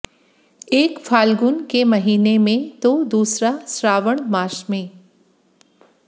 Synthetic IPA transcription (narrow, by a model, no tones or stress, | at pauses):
eːkfʰaːlɡʊnkemɐɦiːnemẽt̪od̪uːsɾasɾaːʋəɳ̃maːʃmẽː